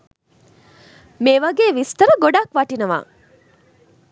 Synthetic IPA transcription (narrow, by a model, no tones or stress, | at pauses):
meʋɐɡeːʋist̪ɐɾəɡoɖakʋɐʈinɐʋa̰ː